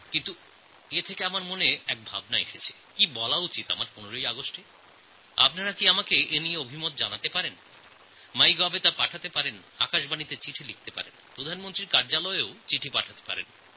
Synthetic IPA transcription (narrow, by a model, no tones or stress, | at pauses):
kint̪u | et̪ʰekeamaɾmoneɛk̚bʱa̰bnaḛʃet͡ɕʰe̥kibɔlaut͡ɕit̪a̰maɾponeɾojaɡosʈe | a̰p̚naɾakiamakeenijeobʱimot̪̚d͡ʑanat̪epaɾen | majɡɔbet̪apaʈʰat̪epaɾena̰kaʃbanit̪et͡ɕiʈʰilik̚ʰt̪epa̰ɾenpɾod̪ʱanmõnt̪ɾiɾkaɾd͡ʑalɔeot͡ɕiʈʰipaʈʰat̪e̥pa̰ɾḛn